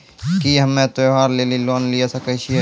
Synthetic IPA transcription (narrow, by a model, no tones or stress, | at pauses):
kiɦɐmːẽt̪oɦaːɾleːliloːnlijasɐkət͡ʃʰi